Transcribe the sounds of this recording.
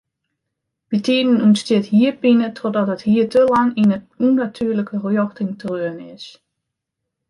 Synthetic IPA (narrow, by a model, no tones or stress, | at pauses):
bitiːdənunstɪthiːəpɪnətʰɔdɔtɦəthiːətəlɑŋinə | unatʰyəɹləkərjɔxtɪŋtərøənɪs